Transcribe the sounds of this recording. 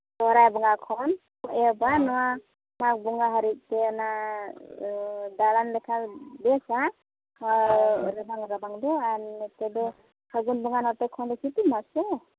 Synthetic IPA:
tɔɾajbɔŋakʰɔn | ɔʔɛbanɔwa | mak̚buŋaɦaɾik̚tena | dalanlɛkʰabɛsa | ɾabaŋɾabaŋdɔantedɔ | saɡunbuŋanɔtekʰɔndɔkʰitumasɔ

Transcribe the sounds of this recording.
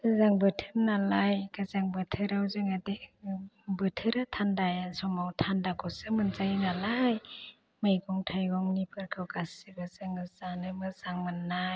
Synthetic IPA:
zaŋbɯtʰɯɾnalajɡazaŋbɯtʰɯɾawzɯŋade | bɯtʰɯɾɯtʰandajansɔmawtʰandakʰɔsɯmɯnzajnalaj | majɡɔŋtʰajɡɔŋnipʰɯɾkʰɯwɡasibɯzɯŋɯzanɯmɯzaŋmanːaj

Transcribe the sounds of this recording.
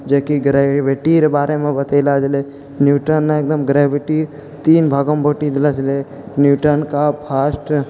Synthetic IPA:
d͡ʒeːkiɡɾeʋeʈiɾebaːɾʔemẽbət̪eɪlad͡ʒle | njuːʈənːaek̚d̪əmɡɾeːʋɪʈi | t̪iːnbʱəɡəmbʱoːʈid̪ɪlad͡ʒle | njuːʈənkapʰaːsʈ

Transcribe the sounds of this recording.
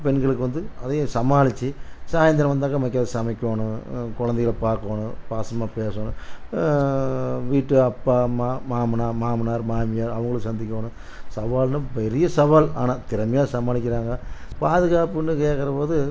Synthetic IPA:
pɛnɡɐɭɯkːɯʋɐnd̪ɯɐðɐjsɐmaːlɪt͡ʃːisaːjɐnd̪ɐɾɐ̃ʋɐnd̪aːkːɐmɐkːɐðsɐmɐɪkʲːoːnɯ̃kɔɻɐnd̪ɐjɐlpaːɾkoːnɯ̃paːsɐmaːpeːsoːnɯ̃ | ʋiːʈːɯɐpːaːmaːmaːmɐnaːmaːmɐnaːɾmaːmɪjaːɾɐʋɐŋɡɐɭɯkːsɐnd̪ɪkːoːnɯ̃ | sɐʋaːlnɯpɛɾɪjɐsɐʋaːla̰ːnaːt̪ɪɾɐmɐjaːsɐmaːlɪk̬ʲːɪɾaːŋɡɐ | paːðɯɣaːpɯnːɯkeːʈkːɐɾɐpoːðɯ

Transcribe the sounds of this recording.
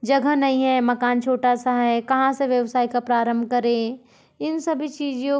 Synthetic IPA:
d͡ʒɐɡʱənɐɦĩɦɛmɐkaːnt͡ʃʰoːʈasaɦɛkɐɦãseʋjɐʋsaːikapɾaːɾə̃mbʱkɐɾẽ | ɪnsɐbʱit͡ʃiːd͡ʒõ

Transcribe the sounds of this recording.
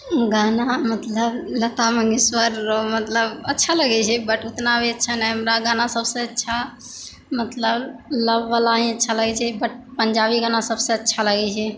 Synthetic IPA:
ɡanamət̪ləblət̪aməŋɡiswəɾmət̪ləbətːʃʰaləɡɛt͡ʃʰɛbəʈut̪nabeətːʃʰanɛɦəmɾaɡanasəbsẽətːʃʰa | mət̪ləbləbːalaĩətːʃʰaləɡɛt͡ʃʰɛbəʈ̚pəɲd͡ʒabiɡanasəbsẽətːʃʰaləɡɛt͡ʃʰɛ

